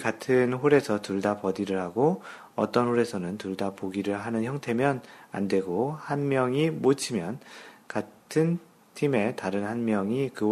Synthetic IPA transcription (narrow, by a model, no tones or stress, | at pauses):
katʰɯnɸoɾe̞sʰʌtuɭdapʌdiɾɯɭhaɡo | ʌ̰t͈ʌnhoɾe̞sʰʌnɯntuɭdapoɡiɾɯɭɦanɯnçjʌŋtʰe̞mjʌna̰ndwe̞ɡohanmjʌŋimot͡ɕʰimjʌnkatʰɯn | tʰime̞taɾɯnhanmjʌŋikɯ